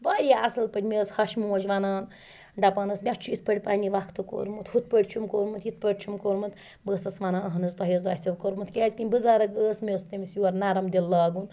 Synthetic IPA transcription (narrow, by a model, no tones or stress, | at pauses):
baːɾʲaɐsɨlpɐtʲmʲeːshɐʃmuɐt͡ʃʋanaːn | d̪ɐpɐnɐsmʲat͡ʃʰuit̪̚pɐɽʲpaːnʲiʋakʰt̪ɨko̰ːɾmɨt̪hut̪̚pəɽʲt͡ʃʰumkoɾmɨt̪ʰjit̪̚pəɽʲt͡ʃʰumkoɾmɨt̪ | bəːsɐsʋanaːɐɦɐnɨzt̪ɐɦɐzaːsʲɐʋkoɾmɨt̪kʲaːzʲkinʲbɨzaːɾɐɡəːsmʲest̪ɐmʲisjuwɐɾnaɾɐmd̪ilːaːɡun